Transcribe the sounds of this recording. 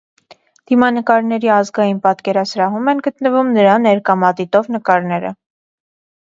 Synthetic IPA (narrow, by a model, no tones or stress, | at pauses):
d̪̥imɑnəkɑɾnɛɾiɑzɡɑjinpɑt̪kɛɾɑsɾɑɦumɛnɡət̪nəvumnəɾɑnːɛɾkɑmɑt̪it̪ɔvnəkɑɾnɛɾə̰